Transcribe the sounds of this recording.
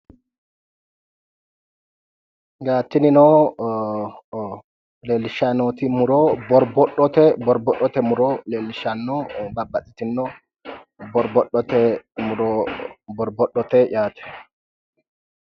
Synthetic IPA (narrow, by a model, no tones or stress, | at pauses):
ɡaːt̪ːɪnɪnɔ | leːlːɪʃanot̪imʊɾɔbɔɾbɔɗːɔt̪ɛbɔɾbɔɗɔt̪ɛmʊɾɔleːlːɪʃanːɔbɐbːɐtʼːɪ̥t̪ɪnnɔ | bɔɾbɔɗːɔt̪ɛmuɾɔbɔɾbɔɗːɔt̪ɛʔaːt̪ʰɛ̥